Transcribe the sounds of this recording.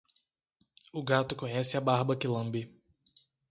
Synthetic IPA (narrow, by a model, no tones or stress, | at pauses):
ʊɡat̪ʊkõɲɛsɪabaɦbɐkɪlɐ̃mbɪ